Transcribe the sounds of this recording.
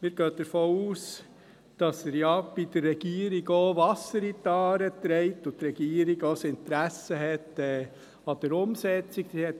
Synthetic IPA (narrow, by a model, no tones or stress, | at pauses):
miːɾɡ̥øːd̥̪əɾfoːuːs | d̥ɑsəɾjɑb̥id̥əɾːɛɡ̥iːəɾiɡoːʋɑsəɾit̪ɑːɾət̪ɾɛɪtʊt̪ɾɛɡ̥iːəɾiɡoːsɪnt̪ɾæsəɦɛtɛː | ɑd̥̪əɾʊmsɛt͡sikdihɛt̪